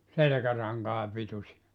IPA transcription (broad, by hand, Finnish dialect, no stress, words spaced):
selĕkærɑŋkɑː pitusiɑ